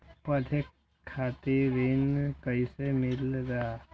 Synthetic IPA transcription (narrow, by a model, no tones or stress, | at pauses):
pəd̪ʱekʰː | aːt̪iɾɪnkəisemɪlɾaa